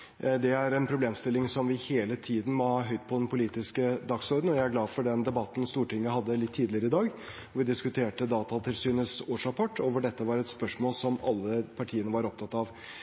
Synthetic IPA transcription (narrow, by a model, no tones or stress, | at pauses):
d̪ɛæɾɛnpʰɾʊbleːmst̪ɪlːɪŋsɔmʋɪheːlət̪ʰiːd̪n̩mɔhɑːɦœʏt̪̚pʰɔd̪ɛnpʰʊliːt̪ɪskəd̪ɑksɔɾd̪n̩ɔjæɪæɾɡlɑːfɔɖɛnd̪ɛbɑt̪ːn̩st̪uːʈɪŋːəhɑd̪ːəlɪt̪ʰːiːd̪lɪəɾəɪd̪ɑːɡ | ɔʋɪd̪ɪskʉt̪ʰeːʈəd̪ɑːt̪ɑt̪ʰɪlsyːnəsoːʂɾɑpʰɔʈːoːʋəɖɛt̪ːəʋɑɾɛt̪spœʂmoːlsɔmɑlːəpʰɑʈʰiːənəʋɑɾɔp̚t̪ʰɑt̪ːɑʋ